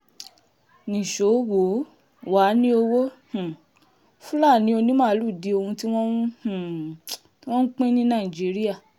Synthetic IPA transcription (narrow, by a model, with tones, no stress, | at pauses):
nĩ˨ʃo˨˦wo˨˦ | wa˨˦nĩ˦o˧wo˦h̩˨ | fũ˦la˦˨nĩ˨˦o˧nĩ˦mãː˦˧˦lu˦˨di˨˧o˧hũ˧ti˦w̃ɔ̃˦ñ˦h̩˦˨˦ | wɔ̃˦n̩˦k͡pẽ˦nĩ˦nãː˦˨i˨d͡ʒi˨˦ɾi˦a˦˨